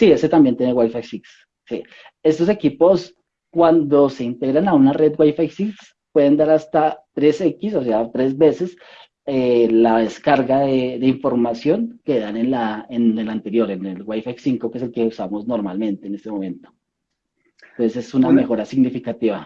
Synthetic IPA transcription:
sieset̪ambje̞nt̪je̞newajfaksiks | si | e̞st̪o̞s̬e̞kipo̞s | kwand̪o̞se̞int̪e̞ɣɾanaunare̞d̪ɡwajfajsiks | pwe̞ðe̞nd̪aɾast̪at̪ɾe̞se̞kisos̬eat̪ɾe̞zbe̞se̞s | elaðe̞skaɾɣaðeðe̞iɱfo̞ɾmasjo̞ŋke̞ðane̞nlaenelant̪e̞ɾjo̞ɾenelɡwajfaksiŋko̞keselkeusamo̞zno̞ɾmalmẽ̞nt̪eːne̞st̪emo̞mẽ̞nt̪o | osese̞suname̞xo̞ɾasiɣnifikat̪iβa

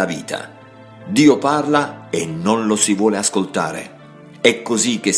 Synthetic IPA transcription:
avḭːt̪ʰa̰ | d̪iːoparlaɪnːʊnlosivwɔːlɪaskolt̪a̰ːɾɪ̰ | ɛkːozik̟ːe

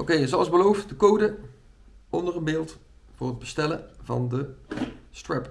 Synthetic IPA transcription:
ʔowkejəzoɑlˠəzbəlowftdəkowdə | ɔndərənbɪːlˠt | vʊːrəd̚bəstɛlə̰vɑ̰ndəstrɛp

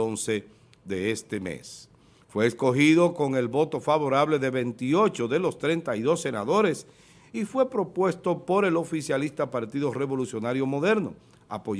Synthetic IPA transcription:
onse̞ | ðe̞est̪e̞mḛs | fwe̞ːsko̞xiðo̞ko̞ŋe̞lβo̞t̪o̞faβo̞ɾaβ̞le̞ðe̞βe̞nt̪io̞t͡ʃoðe̞lo̞st̪ɾe̞nt̪aiðo̞sːe̞naðo̞ɾe̞s | ifwe̞pɾo̞pwe̞st̪opo̞ɾe̞lo̞fisjalist̪apaɾt̪iðore̞βo̞lusjo̞naɾjomo̞ðe̞ɾno̞̰ | a̰po̞

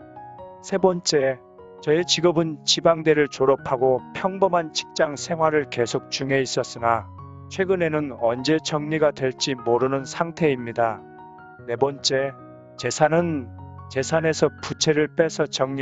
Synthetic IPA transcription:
sʰe̞bʌnt͡ɕ͈e̞ | t͡ɕʌit͡ɕiɡʌbɯnt͡ɕibaŋde̞ɾɯɭt͡ɕoɾʌpʰaɡopʰjʌŋbʌmant͡ɕʰi̥k̚t͡ɕ͈aŋsʰe̞ŋɦwaɾɯɭke̞sʰok̚t͡ɕuŋeis͈ʌs͈ɯna | t͡ɕʰwe̞ɡɯne̞nɯnʌnd͡ʑe̞t͡ɕʌŋɲiɡadwe̞ɭt͡ɕ͈imoɾɯnɯnsʰaŋtʰe̞imɲida | ne̞bʌnt͡ɕ͈e̞ | t͡ɕe̞sʰanɯnt͡ɕe̞sʰane̞sʰʌput͡ɕʰeɾɯɭp͈esʰʌt͡ɕʌŋɲi

